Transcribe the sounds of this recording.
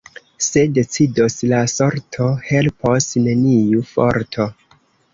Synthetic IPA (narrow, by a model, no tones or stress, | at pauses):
se̞de̞t͡sidoslaso̞ɾtʰo̞he̞lposne̞nijufo̞̰ɾtʰo̞